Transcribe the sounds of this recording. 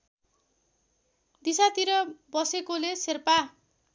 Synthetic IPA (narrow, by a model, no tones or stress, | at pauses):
d̪isat̪iɾʌbʌsekoleserpa